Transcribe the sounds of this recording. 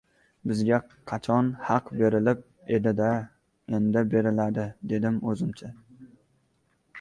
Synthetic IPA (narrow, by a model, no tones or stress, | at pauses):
bɪzɡʲa | qʰɑt͡ʃʰɒnhɑqbe̞ɾɪlɪp̚ | e̞d̪ɪd̪a | end̪ɪbe̞ɾɪlad̪ɪd̪e̞d̪ɪmɵzɪmt͡ʃʰa